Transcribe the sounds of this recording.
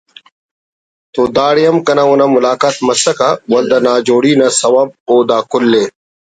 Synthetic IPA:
t̪oːd̪aːɽijɐmkɐnaonɐmʊlaːkaːt̪mɐsɐkawɐld̪ɐnaːd͡ʑoːɽiːnasɐwɐb̚oːd̪aːkʊlːeː

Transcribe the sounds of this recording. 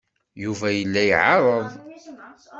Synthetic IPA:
juvæjəlːæjʕɑɾˤəðˤ

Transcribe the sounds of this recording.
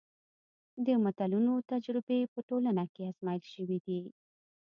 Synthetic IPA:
d̪əmat̪alunot̪ad͡ʒɾɪbepəʈolanakeasmɑjəlʃəwid̪i

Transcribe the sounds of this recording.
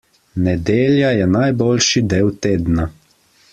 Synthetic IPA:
nɛd̪eːljajɛnajboːlʃid̪eːwt̪eːd̪na

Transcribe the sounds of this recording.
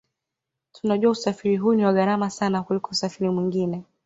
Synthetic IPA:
tunaʄuausafiɾiɦuːniwaɣaɾamasanakulikɔusafiɾimwiŋɡinɛ

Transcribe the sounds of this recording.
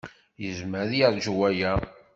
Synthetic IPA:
jəzməɾðjəɾˤʒwæjæ

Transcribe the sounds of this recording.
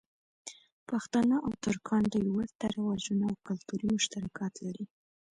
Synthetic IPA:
paxt̪ɑnəʔawt̪ʊɾkʰɑnd̪əjwət̪aɾawɑʒunaawkʊlt̪uɾimʊʃt̪aɾakʰɑt̪laɾi

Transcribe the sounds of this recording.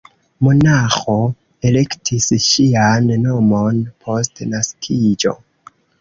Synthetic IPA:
mo̞naxo̞ | e̞le̞ktʰisʃianːo̞mo̞npʰo̞stnaskʰid͡ʒo̞̰

